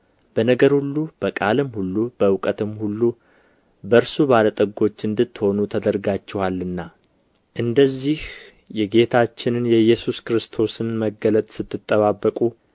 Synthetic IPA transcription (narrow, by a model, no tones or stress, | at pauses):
b̥ənəɡəɾhulːub̥əkʼalɨmhulːubəɨwkʼət̪ɨmhulːu | bəɾsuβalət̪ʼəɡo̞t͡ʃːɨnd̪ɨt̪ːho̞nut̪ʰəd̪əɾɡat͡ʃːɛhalːɨnːa | ʔɨnd̪əzːih | jɛɡe̞t̪ʰat͡ʃːɪnɨnjɛjːɛsuskɾɨst̪ʰo̞sɨnməɡələt̪ʼsɨt̪ʰːɨt̪ʼːəβabːəkʼu